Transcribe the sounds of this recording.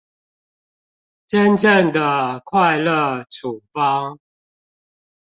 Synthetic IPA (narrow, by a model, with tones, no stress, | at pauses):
ʈ͡ʂə˦nʈ͡ʂə˥˨ŋd̪ə˨kʰwa˥˧ɪlə˥˨ʈ͡ʂʰu˨˩fɑ˦ŋ